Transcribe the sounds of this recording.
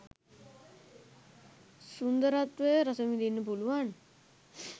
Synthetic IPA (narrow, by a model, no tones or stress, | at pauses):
sund̪əɾat̪ʋəɾasəmid̪inːəp̬uluʋan